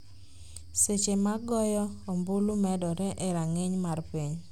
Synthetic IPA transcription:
set͡ʃemaɡɔjɔombulumɛdɔɾɛʔeɾaŋeɲmarpiɲ

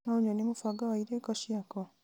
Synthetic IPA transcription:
nauɲwenimufaɡawaiɾekɔʃiakɔ

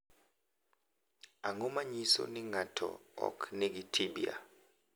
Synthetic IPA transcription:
aŋɔmaɲisɔ̰niŋatʰɔ̰ɔ̰kʰnek̬itʰiɓia̰

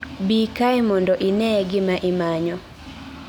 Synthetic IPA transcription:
bikajmɔndɔʔɪnɛɡɪmaʔɪmaɲɔ

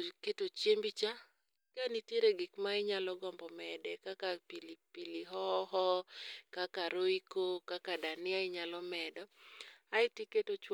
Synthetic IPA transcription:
ketot͡ʃjembit͡ʃa | kaniteɾeɡɪkmaɪɲalɔɡɔmbɔmɛdɛkakapilipiliɦɔɦɔkakaɾoikokakadanɪaɪɲalɔmɛdɔaɪtiketot͡ʃw

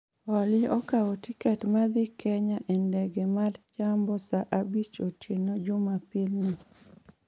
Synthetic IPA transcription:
ɔlɪɔkawɔtikɛtmad̪ɪkɛɲaʔɛndɛɡɛmart͡ʃambɔsaʔabit͡ʃotenod͡ʒʊmapɪlni

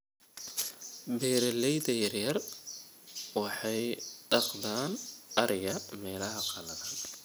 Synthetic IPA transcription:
bɛːɾɛlɛjðɐjɐrjɐr | wɑħɑjɖɑqðaːnɐɾɪjɐmɛːlɐɦɐqɑlɐðɐn

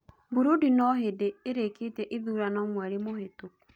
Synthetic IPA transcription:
bʊɾudinɔɦɪdɪeɾeketeʔɪðuɾanɔmweɾɪmoɦɪtʊ

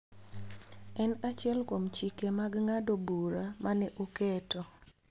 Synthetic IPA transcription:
ɛnat͡ʃɪɛlkomt͡ʃikemaɡŋadobuɾamanɛʔokɛtɔ

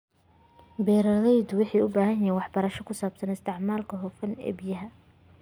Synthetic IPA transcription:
bɛːɾɐlɛjd̪wɪħɑːʊbaːɦɐnɛːwɑħbɐɾɐʃɔkʰʊsaːbsɐnɪst̪ʰɪʕmaːlkʰɐɦɔfɐnɛ̰ːbijɐɦɐ

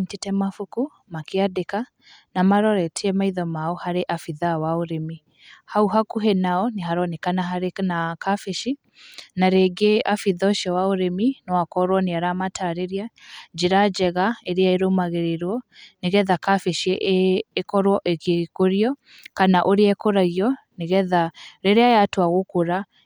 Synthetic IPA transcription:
tetɛmafuku | makeadeka | namaɾɔɾɛtʰeɛmaiðɔmaɔhaɾeʔafiðawaoɾemi | hauɦakuɦenaɔneɦaɾɔnɛkanaɦaɾenakafeʃi | naɾeɡeafiðɔʃiɔwaoɾeminɔwakɔɾwɔneaɾamataɾeɾiad͡ʒeɾad͡ʒɛɣaeɾeaeɾomaɣeɾeɾwɔneɣɛðakafeʃieʔːkɔɾwɔʔeɣekoɾiɔ | kanaʔoɾeaɛkoɾaɣiɔ | neɣɛðaɾeɾeajatwaɣokoɾa

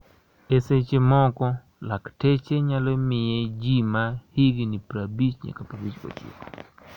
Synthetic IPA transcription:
eset͡ʃemɔkɔ | laktet͡ʃeɲalɔmɪjed͡ʒimahɪɡinipɾabit͡ʃɲḛkapabit͡ʃo̰t͡ʃḭko̥

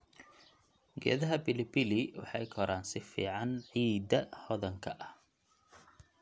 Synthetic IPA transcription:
ɡɛ̰ːðɐɦɐbɪlɪbɪlɪwɑ̰ħɑjkʰɔɾaːnsɪfḭːʕɑnʕiːd̪ɐhɔðɐŋkʰɐʔɐh

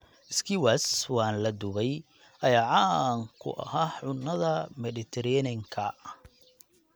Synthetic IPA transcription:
ʔɪskʰiwaswɑːnlɐd̪ʊβɛj | ʔɐjaːʕɑŋkʰʊ̰ʔɐ̰haːʕʊnːɐðɐmɛdɪt̪ʰɛɾɛnɪŋkʰɐ

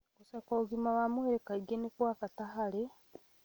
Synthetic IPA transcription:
kusakouɡimawamueɾekaiɡenikwaːkatahale

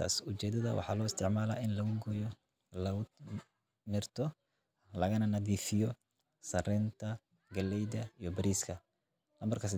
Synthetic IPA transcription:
a̰ːsʊt͡ʃɛːd̪ɐðɐwɑ̰ħɑ̰ːlɔːɪst̪ʰɪʕmaːla̰ːɪnlɐɣʊɡɔjɔ | lɐʊ | nɪrt̪ʰɔ | lɐɣɐnɐnɐðiːfɪjɔ | sɐrɛːnt̪ʰɐ | ɡɐlːɛjd̪ɐijɔbɐɾiːskʰɐ | lɐmbɐrkʰɐsɪ

